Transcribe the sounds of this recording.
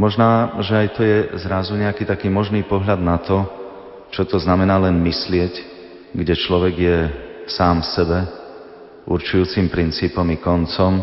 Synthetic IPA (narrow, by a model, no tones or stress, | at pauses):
mɔʒnaːʒɛajt̪ɔjɛzɾazuɲɛakiːt̪akiːmɔʒniːpɔɦlad̪nat̪ɔ | t͡ʃɔt̪ɔznamɛnaːlɛnmislɪɛc | ɡɟɛt͡ʃlɔʋɛɡjɛsaːmsɛbɛ | ʔuɾt͡ʃujuːt͡simpɾint͡siːpɔmikɔnt͡sɔm